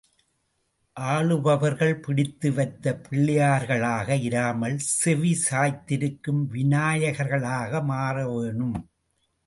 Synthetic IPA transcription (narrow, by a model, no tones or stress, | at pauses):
ʔaːɭɯʋɐʋɐɾɣɐɭpɪɽɪt̪ːɯʋɐɪt̪ːɐpɪɭːɪjaːɾɣɐɭaːɣɐɪɾaːmɐlsɛʋisaːjt̪ːɪɾɯkːɯmʋɪnaːjɐɣɐɾɣɐɭaːɣɐmaːrɐʋeːɳɯm